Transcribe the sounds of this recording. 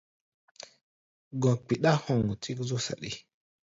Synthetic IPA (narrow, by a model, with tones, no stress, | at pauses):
ɡɔ˨k͡pi˨ɗa˦hɔ˦˨ŋu˨ti˦kzo˦sa̰˨ɗḭ˦